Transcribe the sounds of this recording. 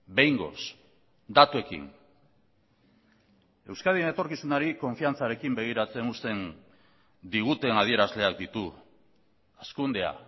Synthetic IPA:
be̞jŋɡo̞̰s | d̪at̪ue̞kḭn | e̞wskaðienet̪o̞ɾkisunaɾiko̞ɱfiant͡saɾe̞kimbe̞ɣ̞iɾat͡se̞nust̪e̞n | d̪iɣ̞ut̪e̞nað̞ie̞ɾazle̞ak̚d̪it̪u | askund̪ea̰

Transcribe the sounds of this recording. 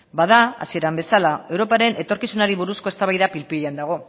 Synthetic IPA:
baðaa̰sie̞ɾambe̞salae̞wɾo̞paɾe̞nʔe̞t̪o̞ɾkisunaɾiβuɾusko̞e̞st̪aβajðapilpiʎeand̪aɣ̞o̞

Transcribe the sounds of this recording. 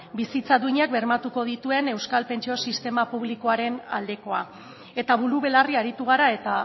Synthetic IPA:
bisit͡saðuiɲak̚be̞ɾmat̪uko̞ð̞it̪ue̞ne̞wskalpe̞nt͡ʃio̞sist̪e̞mapuβ̞liko̞aɾe̞na̰ld̪e̞ko̞a | e̞t̪aβuluβe̞lariaɾit̪uɣ̞aɾae̞t̪a

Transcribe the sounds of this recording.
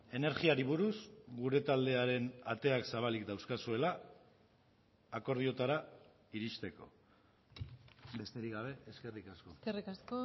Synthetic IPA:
e̞ne̞ɾɣiaɾiβ̞uɾuzɡuɾe̞t̪ald̪e̞aɾe̞nat̪e̞aksaβ̞alikd̪awskasue̞la | ko̞ɾð̞io̞t̪aɾa | iɾist̪e̞ko̞̰ | be̞st̪e̞ɾiɡaβ̞e̞ʔeske̞rikasko̞kerikasko

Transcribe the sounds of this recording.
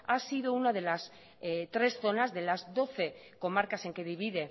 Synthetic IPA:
asiðounað̞e̞las | t̪ɾe̞sθo̞nazðe̞lazðo̞θe̞ | ko̞maɾkase̞ŋke̞ðiβiðe̞

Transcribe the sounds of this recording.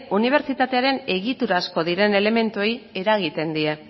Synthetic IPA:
uniβ̞e̞ɾt͡ʃit̪at̪e̞aɾe̞ne̞ɣit̪uɾaːsko̞ðiɾe̞ne̞le̞me̞nt̪uoje̞ɾaɣ̞it̪e̞nd̪ie̞

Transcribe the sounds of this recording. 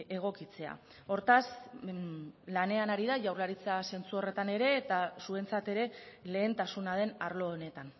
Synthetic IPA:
e̞ɣ̞o̞kit͡se̞a̰ | o̞ɾt̪as | lane̞anaɾiðaʝawɾlaɾit͡sease̞nt͡suo̞re̞t̪ane̞ɾe̞ːt̪asue̞nt͡sat̪e̞ɾe̞le̞ːnt̪asunað̞e̞naɾlo̞ːne̞t̪an

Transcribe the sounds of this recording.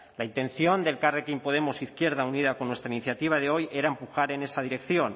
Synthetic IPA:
laint̪e̞nθjo̞nd̪e̞lkarekimpo̞ð̞e̞mosiθkje̞ɾðauniðakonːwest̪ɾainiθjat̪iβ̞aðeo̞je̞ɾaempuxaɾe̞ne̞sað̞iɾe̞kθjo̞n

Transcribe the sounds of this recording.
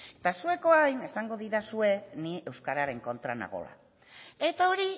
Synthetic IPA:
et̪asue̞ko̞ajne̞saŋɡo̞ðiɾasue̞nie̞wskaɾaɾe̞ŋko̞nt̪ɾana̰ɣo̞̰la̰ | e̞t̪ao̞ɾi

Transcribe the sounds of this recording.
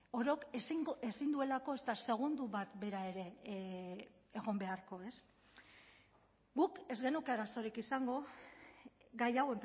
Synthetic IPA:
o̞ɾo̞kesiŋesind̪ue̞lako̞e̞st̪ase̞ɣ̞und̪uβat̪be̞ɾae̞ɾe̞ | ɣ̞o̞mbe̞aɾko̞e̞s | ɡuke̞zɣe̞nukeaɾaso̞ɾikisaŋɡo̞ | ɡajaɣwen

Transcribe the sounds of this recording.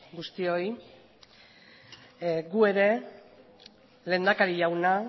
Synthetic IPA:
ɡust̪io̞j | ɡue̞ɾe̞ | le̞ːnd̪akaɾiʝawna

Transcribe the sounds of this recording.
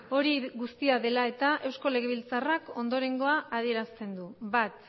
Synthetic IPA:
o̞ɾiɣust̪iaðe̞lae̞t̪aʔe̞wsko̞le̞ɣ̞e̞βilt͡sarako̞nd̪o̞ɾe̞ŋɡo̞aʔːð̞ie̞ɾast̪e̞nd̪uβat̪

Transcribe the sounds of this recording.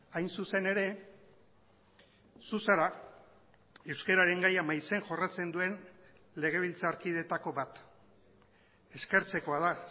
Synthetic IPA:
ajnsuse̞ne̞ɾe̞ | susaɾa | ewskeɾaɾe̞ŋɡajamajse̞ŋʝo̞rat͡se̞nd̪ue̞n | le̞ɣ̞e̞β̞ilt͡saːɾkið̞e̞t̪ako̞βat̪ | e̞ske̞ɾt͡se̞ko̞að̞a

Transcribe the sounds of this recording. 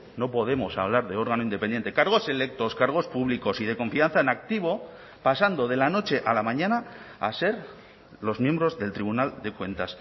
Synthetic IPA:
no̞po̞ð̞e̞mo̞sa̰β̞laɾðe̞o̞ɾɣanoind̪epend̪e̞nt̪e̞kaɾɣ̞o̞se̞le̞k̚t̪o̞skaɾɣ̞o̞spuβliko̞sið̞e̞ko̞ɱfianθaenak̚t̪iβ̞o̞ | pasand̪o̞ð̞e̞lano̞t͡ʃe̞ʔalamãɲãnaa̰se̞ɾ | lo̞zmje̞mbɾo̞zðe̞lt̪ɾiβunald̪e̞kwẽ̞nt̪as

